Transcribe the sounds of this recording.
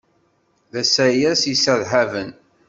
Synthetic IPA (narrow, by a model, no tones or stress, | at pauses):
ðæsæjæsisəðɦævən